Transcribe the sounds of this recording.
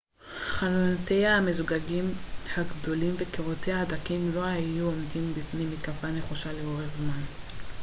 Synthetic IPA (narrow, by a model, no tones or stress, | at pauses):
χalonte̞jaame̞zuɡaɡimhaɡdo̞limvekeʁotejahadakimlo̞hajuomdimbifnemikavane̞χuʃaleo̞ʁe̞χzman